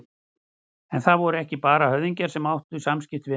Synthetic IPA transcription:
ɛnθaðvɔɾʏɛhcɪpaːɾahœððiɲcaɾ̥sɛmawht̪ʏsamscɪft̪vɪ

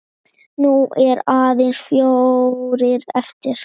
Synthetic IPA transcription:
nuɛɾaːðensfjoɾɪɾɛft̪ɪɾ̥

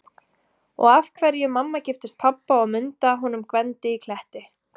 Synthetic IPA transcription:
ɔ̰ɣavkʰvɛɾjʏmamːacɪft̪ɪst̪̚pʰapːaɔɣmʏnt̪aɦunʏmkvɛnt̪ɪikʰl̥ɛht̪ɪ

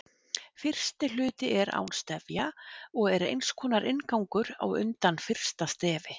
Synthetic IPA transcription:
fɪr̥st̪ɪlʏːt̪ɪʔɛɾa̰ːwnst̪ɛvjaɔɣɛɾḛjnskʰɔːnaɾʔɪnkawŋkʏɾa̰wʏ̰nt̪anfɪr̥st̪ast̪ɛːvɪ

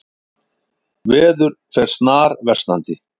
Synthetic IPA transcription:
vɛːðʏɾfɛɾ̥st̪naːɾvɛrst̪na̰nt̪ɪ

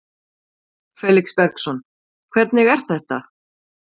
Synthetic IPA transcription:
fɛːlikspɛɾksɔn | kʰv̥ɛɾt̪nɪɣɛɾ̥tθɛht̪a

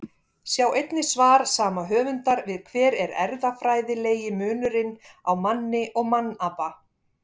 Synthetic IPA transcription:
sjaːwejt̪nɪsvaːɾ̥saːmaɦœːvʏnt̪aɾvɪðkʰvɛːɾɛɾɛ̰ɾðafɾaːjðɪleːjɪmʏːnʏɾɪnawmanːɪʔɔɣmanːapa

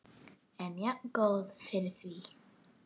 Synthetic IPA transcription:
ɛnjaʔɡoːðfɪɾθiː

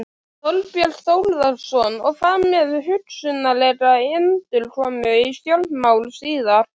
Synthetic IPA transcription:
θɔlpjɛlθoːwlðaɾsɔnɔɣfaːmmɛðʏɦʏt̪sʏnːaleːtaɪnːt̪ɪlrɔamœjist̪jɔlmaːwlsiːðaɾ̥

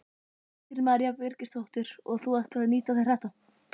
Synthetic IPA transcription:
ɪɾɾmaɾjavvɪɾcɪst̪owht̪ɪɾ̥ɔɣθuahkɾaniːt̪aθɪɾ̥r̥ɛht̪a

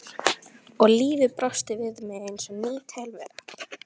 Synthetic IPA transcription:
ɔɣliːvɪðpɾɔst̪ɪvɪðmɛejnsɛmniːt̪ʰɛjlvɛ̰ːɾa

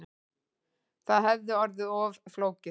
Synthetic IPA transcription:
θaðɦɛvðɪɔɾðɪɔːvfloːwcɪ

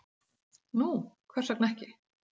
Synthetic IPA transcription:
nukʰvɛ̥saknɛhcɪ

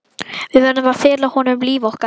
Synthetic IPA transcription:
vɪðvɛɾnɪmaɾfɪːɾlahɔnʏmliːvɔhka

